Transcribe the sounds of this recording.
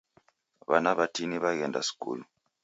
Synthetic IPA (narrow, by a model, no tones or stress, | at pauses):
βanaβatiniβaɣɛnda̰si̥kṵːlu